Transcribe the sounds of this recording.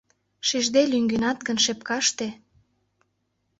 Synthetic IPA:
ʃiʒd̪elyŋɡynɑt̪̚ɡə̆nʃepkɑʃt̪e

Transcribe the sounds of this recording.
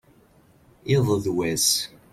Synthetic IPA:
ɪðˤəðwæs

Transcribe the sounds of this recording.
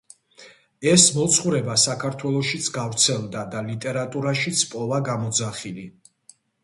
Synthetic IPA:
ɛsmɔt̪sʰχuɾɛbasakʰaɾt̪ʰwɛlˠɔʃit̪sʰɡavɾt̪sʰɛlˠd̪ad̪alit̪ʼɛɾat̪ʼuɾaʃit̪sʰpʼɔvaɡamɔd̪zaχili

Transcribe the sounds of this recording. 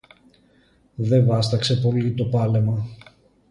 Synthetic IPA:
ðe̞vɐst̪ɐkse̞po̞lit̪o̞pɐle̞mɐ

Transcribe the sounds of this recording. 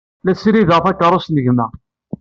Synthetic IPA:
læsɾiðəʁˤθækːəɾˤosnəʝmæ

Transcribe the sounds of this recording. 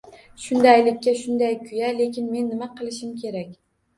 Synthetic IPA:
ʃʊnd̪ajlɪkʲːaʃʊnd̪ajkʲʰʊjale̞kʲʰɪnme̞nːɪmaqʰɨlˠɪʃɪmkʲʰe̞ɾakʲ

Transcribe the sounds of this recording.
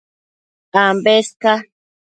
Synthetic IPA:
ambeska

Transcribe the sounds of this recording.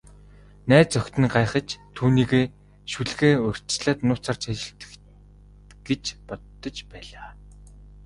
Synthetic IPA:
næːt͡sœkʲt̪ɘ̆nɢajχə̆t͡ɕt̪ʰːuːniːɣeː | ʃuɮɣeːɵr̥ʲt͡ɕɮaːt̪nʊːt͡saːrt͡ɕʰat͡ɕɪ̆ɬt̪ɘ̥̆k | ɡ̥et͡ɕpɔt̪ːɞ̆t͡ɕpæːɮaː

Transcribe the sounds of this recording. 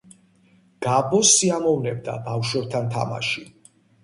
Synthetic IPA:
ɡ̥abɔsːiamɔvnɛb̚d̪a̰bafʃwɛb̚t̪ʰant̪ʰa̰ma̰ʃi

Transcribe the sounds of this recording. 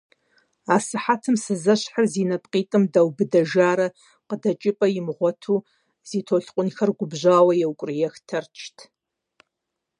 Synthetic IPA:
aːsɨħatʰɨmsɨzɐɕħarzinɐp̚ʼqʼiːtʼɨmdawbɨdɐʒaːɾɐ | qədɐt͡ʃʼɪpʼɐjɪmʁʷɔtʰuː | ziːtʰoɬqʷʼʊnxɐrɡʷʊbʒʷaːwɐjɛwkʷʼrjɛxtʰɐrt͡ʃʰtʰ

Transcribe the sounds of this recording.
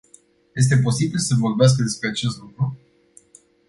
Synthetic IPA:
je̞s̬t̪e̞p̬o̞sibilsəvo̞rbeas̬kəd̪e̞spɾe̞at͡ʃe̞st̪lukɾu

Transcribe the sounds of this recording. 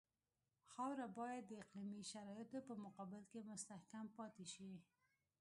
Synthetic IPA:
xɑwɾabɑjad̪ːəɪqlimiʃaɾɑjɪt̪opəmʊqɑbɪlkemʊst̪ahkampɑt̪eʃi

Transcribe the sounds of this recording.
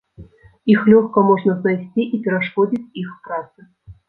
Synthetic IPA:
ixlʲoxkəmoʐnəznajsʲtʲiʔipʲɪɾaʂkodʲitʲixpɾɑt̪sɨ

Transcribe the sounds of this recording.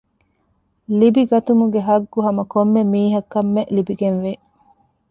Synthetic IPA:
libiɡɐt̪umuɡeɦɐɡːuɦɐmɐkomːemiːɦɐkːɐmːeʔlibiɡenʋe

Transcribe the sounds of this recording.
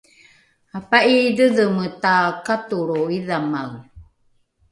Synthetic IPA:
apaʔidəðəmətakatuɾoiðamaw

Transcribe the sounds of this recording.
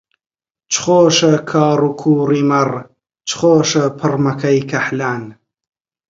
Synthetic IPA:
t͡ʃʰχoːʃɐkʰɑːrukʰuːriːmɐr | t͡ʃʰχoːʃɐpʰɨrmɐkʰɐjkʰɐħlaːn

